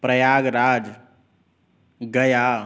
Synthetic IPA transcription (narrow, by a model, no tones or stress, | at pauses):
pɾəjaɡɾad͡ʒ | ɡəja